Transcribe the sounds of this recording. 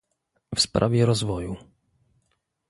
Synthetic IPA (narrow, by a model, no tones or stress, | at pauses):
fspɾa̰vʲjɛɾɔzvɔju